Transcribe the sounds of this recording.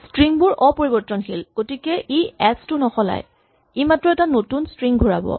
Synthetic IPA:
stɹiŋbʊɹʔɔpoɹibɔɹtɔnxilɡ̥otikɛʔiɛstʊnɔxɔla̰j | imatɹɔɛtanotunstɹiŋɡʱuɹa̰bɔ̰

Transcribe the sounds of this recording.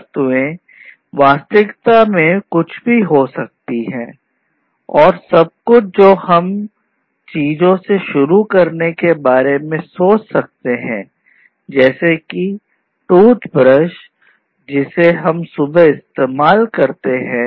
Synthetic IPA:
t̪ẽ | ʋaːst̪ɪkt̪amẽkʊt͡ʃʰbʱiɦosɐk̚t̪iɦɛ̃ː | ɔːɾsɐb̚kʊd͡ʒoːhɐm | t͡ʃiːzõseʃʊɾukɐɾnekebaːɾemẽsoːt͡ʃsɐk̚t̪eɦɛ̰̃ː | d͡ʒɛːseki | ʈuːt̪pɾəʃ | d͡ʒɪseɦɐmsʊbəɪst̪eːmaːlkɐɾt̪eɦɛ̃ː

